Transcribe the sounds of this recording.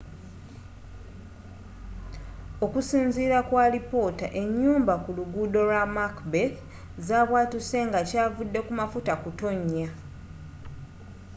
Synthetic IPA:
o̞kusiːnziːɾakwaːlipo̞ːta̰ʔe̞ɲːuːmbakuluɡudo̞lwamakbek | zaːβwaːtuse̞ŋɡacaːvudːe̞kumafutakuto̞ɲːa

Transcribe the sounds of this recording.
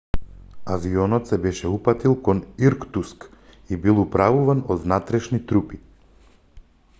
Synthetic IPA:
aviɔnɔt̪sɛbɛʃɛupat̪ilˠkɔniɾkt̪usk | ibilˠupɾavuvanɔd̪vnat̪ɾɛʃnit̪ɾupi

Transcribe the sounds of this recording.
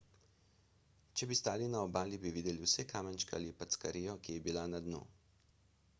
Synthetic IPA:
t͡ʃɛbist̪aːlinaɔbaːlibiʋiːd̪ɛliwsɛkaːmənt͡ʃkɛa̰lipat̪skaɾiːjɔkijɛbilanad̪nṵ

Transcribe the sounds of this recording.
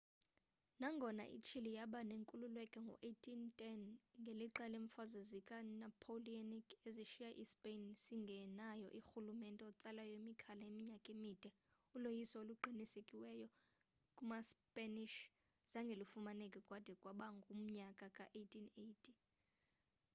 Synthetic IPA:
naŋɡʱɔna̰ʔḭt͡ʃʰilijaɓaneŋkʼululwɛkʼɛŋɡʱɔ̰ʔejtʰʼintʼɛnŋɡʱeliǁɛleɱfazazikʼanapʰolianikʼeziʃijaʔispʼensiŋɡʱɛnajɔ̰ʔixulumɛntʼɛɔt͡sʼalajɔimikʰalaemiɲakʼemid̥ʱɛ | ulojisɔoluǃʱinisekʼiwɛjɔ | kʼumaspʼaniʃ | z̥aŋɡʱelifumanekʼikʼwad̥ʱɛkʼwaɓaŋɡʱum̩ɲakʼakʼa̰ʔetʰinejtʰʼi

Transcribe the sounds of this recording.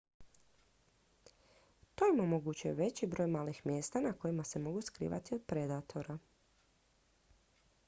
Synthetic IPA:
t̪o̞imo̞moɡut͡ɕujeʋe̞t͡ɕibɾo̞ːjmaːlixmje̞ːst̪anako̞jimase̞mo̞ɡuskɾḭːʋa̰t̪io̞d̪̚pɾe̞d̪at̪ʰo̞ɾa

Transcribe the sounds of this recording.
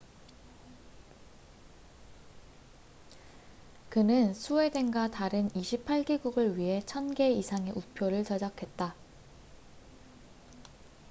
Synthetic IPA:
kɯnɯnsʰue̞de̞ŋɡataɾɯniɕʰipʰaɭɡiɡuɡɯɭɥiɦe̞t͡ɕʰʌnɡe̞isʰaŋe̞ʔupʰjoɾɯɭt͡ɕʌd͡ʑakʰe̞t̚t͈a

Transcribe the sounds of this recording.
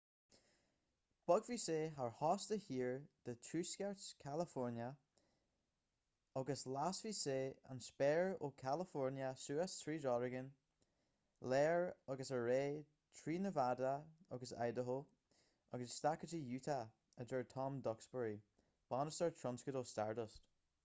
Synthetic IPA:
b̥ɔɡviseːɦaɹhɔstəhiːɹd̪̥ətʰɹʉːskɛɹtskʰaləfɔɹnjə | ɔɡəslasviseːa̰nspɛɹokʰaləfɔɹnjəsuːastʰɹiːdɔɹɪɡən | lɛːɹɔɡəsəɹeː | tʰɹiːnəvadaɔɡəsa̰jdəɦo | ɔɡəsːtakəd͡ʒəjʉːtʰa | əd͡ʒəɹtʰɔmd̪ɔksbəɹi | b̥ɔnəsəɹtʰɹɔnskədostaɹdəst

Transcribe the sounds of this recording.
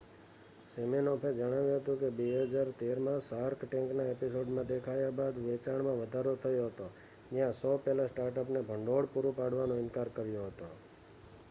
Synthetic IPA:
seminɔpʰed͡ʒəɽ̃aʋjũɦət̪ũkebeɦəd͡ʒaɾt̪eɾmãsaɾkʈɛ̃ŋknaepisoɖmãd̪ekʰajabad̪ʋet͡ʃaɳmãʋəd̪ʱaɾot̪ʰəjoɦət̪o | d͡ʒjãsɔpɛlãsʈaɾʈəpnebʱəɳɖoɽpuɾupaɽʋanõɪnkaɾkəɾjoɦət̪o

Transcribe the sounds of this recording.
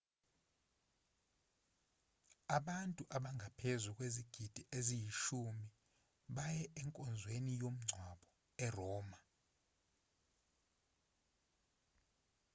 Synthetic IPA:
aɓantʼuʔaɓaŋɡʱapʰezukʼweziɡ̥ʱid̥ʱiʔezijiʃumi | ɓajɛʔɛŋkʼɔnd͡zʱwenijom̩ŋ͡ǀʱwaɓɔ | ɛrɔːma

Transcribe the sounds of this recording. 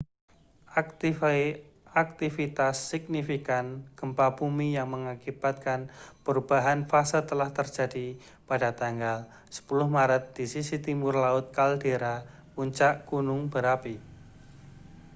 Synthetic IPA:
ak̚t̪ifit̪asːɪk̚nifikanɡ̥əmpapumijaŋməŋakibat̪̚kanpəɾub̥aɦanfasət̪əlaht̪ərdd͡ʒadi | padat̪aŋɡal | sə̥pulʊhmaɾət̪̚d̥isisit̪imʊrlaʊt̪̚kaldeɾa | uɲt͡ʃaʔkunʊŋbəɾapi

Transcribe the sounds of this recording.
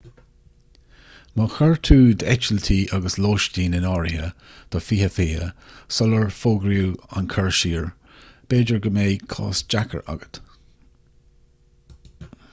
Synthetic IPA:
məxəɹt̪ʰuːd̪ɛt͡ʃəlt̪ʰiːʔaɡəsloːʃtiːnɪnɑːɹɪhəd̪̥ɔfiːhəfiːhə̰sɔləɹfoːɡɾjuːa̰nkʰəɹʃiːɹ | b̥eːd͡ʒəɹɡəmeːkʰɑ̰ːsd͡ʒakʰə̰ɹa̰ɡət̪

